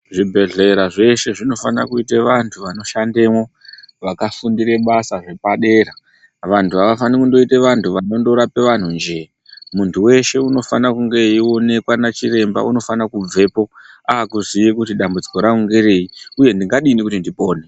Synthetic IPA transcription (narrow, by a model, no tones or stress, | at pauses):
ʐibʱe̞ɮe̞ɾaʐe̞ʃe̞ʐino̞fana̰kuiteʋantʰuʋano̞ʃande̞wo̞ | ʋakafundiɾe̞ɓasaʐe̞paɗe̞ːɾa | ʋantʰuaʋafanikundo̞ite̞ʋantʰuʋano̞ndo̞ɾape̞ʋan̤und͡ʒe̞ | muntʰuwe̞ʃe̞uno̞fanakuŋɡe̞io̞ne̞kwanat͡ʃiɾe̞mba̰uno̞fanakub͡ve̞po̞ | aakuzijekutiɗambud͡ziko̞ɾauŋɡe̞ɾe̞ːiuje̞ndiŋɡaɗinikutindipo̞ːne